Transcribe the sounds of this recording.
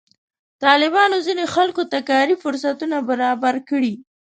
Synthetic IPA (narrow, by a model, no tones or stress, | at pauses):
t̪ɑlɪbɑnozinexalkot̪akɑɾifʊɾsat̪unabaɾɑbaɾkəɽi